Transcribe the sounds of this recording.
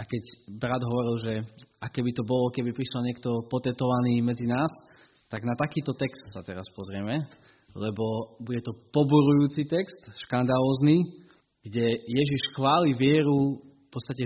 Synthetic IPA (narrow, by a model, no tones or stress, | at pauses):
akɛɟbɾad̪ɦɔʋɔɾilʒɛakɛbit̪ɔbɔlɔkɛbipɾiʃalɲɪɛk̚t̪ɔpɔt̪ɛt̪ɔʋaniːmɛd͡zinaːs | t̪aɡnat̪akiːt̪ɔt̪ɛkst̪sat̪ɛɾaspɔzɾɪɛmɛ | lɛbɔbuɟɛt̪ɔpɔbuɾujuːt͡sit̪ɛkst̪ʃkand̪alɔːzni | ɡ̥ɟɛjɛʒiʃxʋaːliʋɪɛɾu | pɔtt͡st̪acɛ